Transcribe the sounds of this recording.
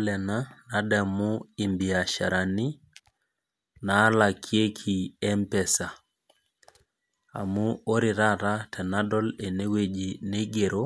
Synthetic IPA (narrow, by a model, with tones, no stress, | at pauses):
lɛ˨na˦na˦dɛ˨mu˦i˨mbi˨a˨ʃa̰˨ɾa˨ni˦ | na˨˦la˨kʰje˦kʰi˨ɛ˦mpɛ˨sa˨ | a̰˨mu˦o˦ɾi˨ɾa˦ɾa˦tʰɛ˨na˦dɔ˦le˨ne˦we˦d͡ʒi˨ne˦ɡe˨ɾo˦